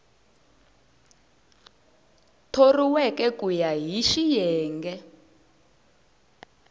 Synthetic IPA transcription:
tʰoriwɛkɛkujaɦiʃijɛːŋɡɛ

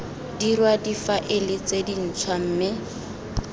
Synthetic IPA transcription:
dirwadifaʔɪlɪt͡sedin̩t͡sʰwam̩ːmɪ

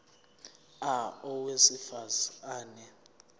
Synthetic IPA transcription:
aɔwesifazaːnɛ

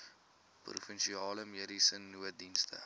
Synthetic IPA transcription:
prṵfənʃiɑːləmeːɾisənːuədinstə̰

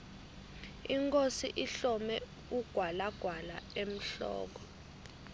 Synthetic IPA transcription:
iŋkʼosiʔiɬɔmɛ | uɡ̥ʱwalaɡ̥ʱwalaem̩ɬɔ̰ːk̬ɔ

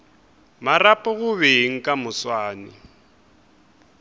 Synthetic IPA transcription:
marapʼɔɣʊβeŋ̩kʼamʊswaːnɪ

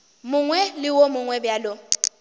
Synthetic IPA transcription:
mʊŋwɛlɪwomʊŋwɛbjalo

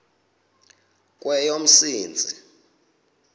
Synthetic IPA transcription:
k̬ʼwɛjom̩siːnd͡zʱi

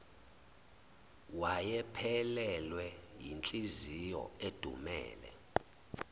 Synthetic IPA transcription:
wajɛpʰɛlɛlwɛjint͡ɬʼizijɔ̰ed̥ʱṵmɛ̰ːlɛ̰

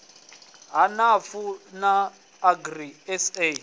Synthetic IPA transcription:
ɦanafunaː | ɡriɛse

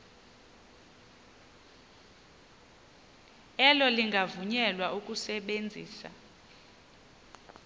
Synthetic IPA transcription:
ɛlɔliŋɡʱavuɲɛlwaukʼusɛɓend͡zʱiːsa̰

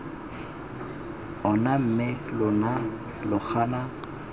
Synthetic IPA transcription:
ɔnam̩mɪlʊna | lʊχʰana

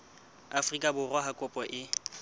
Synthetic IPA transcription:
afrikʼabʊrwaɦakʼʊpʼɔʔɪ

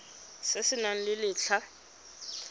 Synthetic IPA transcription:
sɪsɪnaŋ̩lɪlɪːt͡ɬʰa

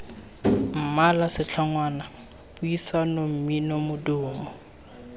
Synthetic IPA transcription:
m̩malasɪt͡ɬʰaŋwaːna | b̥uisanom̩minomʊdʊːmɔ

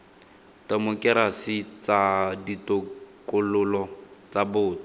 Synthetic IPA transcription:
tamʊkʼɛɾasɪt͡saditʊkʼʊlʊlɔt͡sabʊːtɔ

